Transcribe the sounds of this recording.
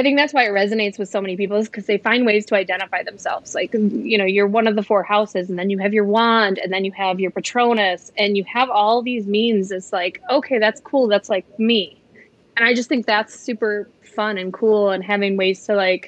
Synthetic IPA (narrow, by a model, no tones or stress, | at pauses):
aɪθɪ̃ŋk̚ðætswaɪɨt̚ɹɛzɨneɪtswɨð̥soʊmɛnipipl̩ˠzkʰʌzðeɪfãɪ̃nd̚weɪz̥tʰəaɪdɛ̃ɾ̃ɨfaɪðɨ̃m̩sɛ̰lˠvz̥laɪkjɨñoʊjə˞wʌ̃nʌvðəfɔɹhaʊsɨzn̩ðɨ̃njɨɨvjə˞wɑ̃ndɨ̰̃nðɨ̃njɨɨvjə˞pɨtʰɹ̥õʊ̃nɨsɨ̃njɨəvɔlˠðizmĩnzɨtslaɪkoʊkʰeɪðætskʰulˠðætslaɪk̚mi | ɨ̃ñaɪd͡ʒʌst̪θɪ̃ŋk̚ðætsʉpə˞ | fʌ̃nɨ̃nkʰulˠə̃nɦævɪ̃ŋweɪz̥tʰəlaɪk